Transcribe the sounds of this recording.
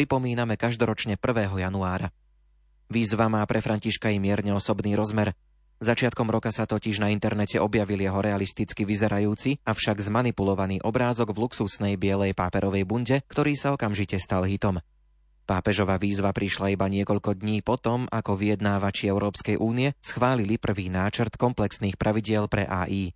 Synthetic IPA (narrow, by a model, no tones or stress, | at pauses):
pɾipɔmiːnamɛkaʒd̪ɔɾɔt͡ʃɲɛpr̩ʋɛːɦɔjanuaːɾa | ʋiːzʋamaːpɾɛfɾaɲciʃkajɛmɪɛɾɲɛɔsɔbniːɾɔzmɛɾ | zat͡ʃɪat̪̚kɔmɾɔkasat̪ɔciʒnaint̪ɛɾnɛcɛʔɔbjaʋiljɛɦɔɾɛalist̪it͡skiʋizɛɾajuːt͡siafʃaɡzmanipulɔʋaniːʔɔbɾaːzɔɡvluksusnɛjbɪɛlɛjpaːpɛɾɔʋɛjbuɲɟɛkt̪ɔɾiːsaɔkamʒicɛst̪alɦit̪ɔm | paːpɛʒɔʋaːʋiːzʋapɾiʃlaibaɲɪɛkɔʎkɔd̪ɲiːpɔt̪ɔmakɔʋijɛd̪naːʋat͡ʃiɛʊɾɔːpskɛjʔuːniɛsxʋaːlilipr̩ʋiːnaːt͡ʃɾt̪kɔmplɛksniːxpɾʔaʋiɟɪɛlpɾɛ̰ʔa̰ːʔiː